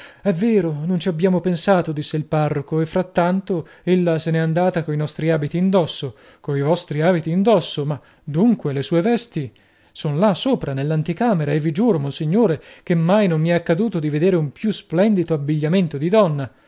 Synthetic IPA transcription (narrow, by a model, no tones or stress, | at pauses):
ɛvːeːɾonont͡ʃiabːjaːmopensaːt̪od̪isːeilparːokoefːɾat̪ːant̪o | elːasenɛand̪aːt̪akoinɔst̪ɾiaːbit̪iːnd̪ɔsːo | koivɔst̪ɾiaːbit̪iːnd̪ɔsːoma | d̪uŋkwelesuːevɛst̪i | sonlasoːpɾanelːant̪ikaːmeɾaevːid͡ʒuːɾomonsiɲːoːɾek̟emːajnomːiɛkːad̪uːt̪od̪ived̪eːɾeumpjusplɛnd̪it̪oabːiʎːament̪od̪id̪ɔnːa